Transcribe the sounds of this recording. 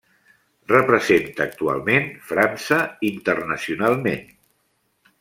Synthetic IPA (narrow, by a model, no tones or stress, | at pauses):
rəpɾəzent̪əːk̚t̪ua̰lˠmenfɾansəint̪ərnəsiunalˠmḛn